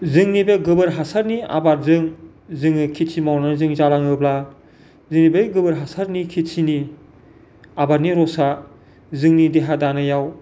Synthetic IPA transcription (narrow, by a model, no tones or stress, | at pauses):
zɯŋnibeɡɯbɯɾɦasaɾnia̰baɾzɯŋ | zɯŋɯkʰisʰimawnanɯzɯŋzalaŋɯbla | zɯŋnibeɡɯbɯɾɦasaɾnikʰit͡ʃʰini | abaɾniɾɔsa | zɯŋnideɦadanɯjaw